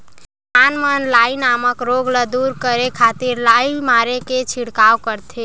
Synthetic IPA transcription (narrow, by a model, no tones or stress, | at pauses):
manmənlainaməkɾoɡləd̪uɾkəɾekʰat̪iɾlaimaɾeket͡ʃʰiɽkawkəɾt̪ʰe